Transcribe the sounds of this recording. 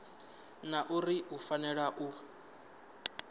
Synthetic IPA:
naʔuriʔufanɛɺaʔu

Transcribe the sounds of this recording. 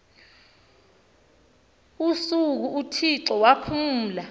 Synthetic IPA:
usuk̬uutʰiǁɔwapʰuːla

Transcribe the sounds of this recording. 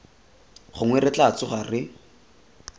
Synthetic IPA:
χʊŋwɛrɪt͡ɬat͡sʊχarɪ

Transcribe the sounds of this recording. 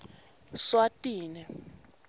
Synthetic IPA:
swatʼiːnɛ

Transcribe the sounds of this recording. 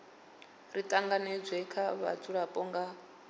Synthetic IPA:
ritʼaŋɡanɛd͡zʷɛkʰaβa̰t͡sʰʼuɺapʼɔŋɡa

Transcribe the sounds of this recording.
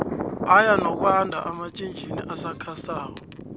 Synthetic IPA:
ajanɔk̬ʼwandʱa̰ʔamat͡ʃʼind͡ʒʱinḭʔasakʰasaːkɔ

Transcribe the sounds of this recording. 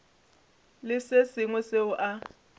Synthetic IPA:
lɪsesɪŋwɛseʊʔa

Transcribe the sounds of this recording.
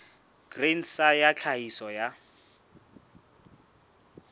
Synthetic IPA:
ɡ̥rensajat͡ɬʰaisɔja

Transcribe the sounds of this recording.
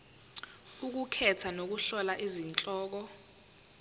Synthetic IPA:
uk̬ukʰɛtʰanok̬uɬɔlaʔizint͡ɬʼɔːk̬ɔ

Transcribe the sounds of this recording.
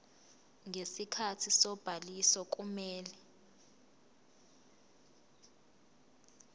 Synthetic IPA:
ŋesikʰatʰisɔb̥ʱalisɔk̬ʼumɛːlɛ

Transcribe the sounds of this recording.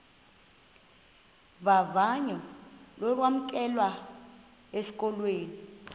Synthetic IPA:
βavaɲɔlɔk̬wam̩kʼɛlwa | esi̥kʼɔlweːni

